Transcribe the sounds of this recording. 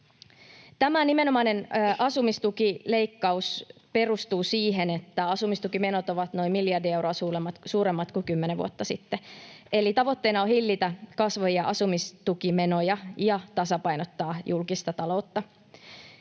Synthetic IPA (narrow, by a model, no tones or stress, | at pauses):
t̪æmænime̞no̞mɑinenʔɑsumist̪ukile̞ikːɑuspe̞rust̪uːsiːɦe̞net̪ːæɑsumist̪ukime̞no̞t̪o̞ʋɑt̪no̞imiljɑrdiewroɑsuːlemːɑt̪suːɾemːɑt̪kukymːeneʋṵo̰t̪ːɑsit̪ːeʔe̞lit̪ɑʋot̪ːe̞inɑohilːit̪ækɑsʋojɑʔɑsumist̪ukime̞nojɑjɑt̪ɑsɑpɑjnot̪ːɑːjulkist̪ɑt̪ɑlo̞ut̪ːɑ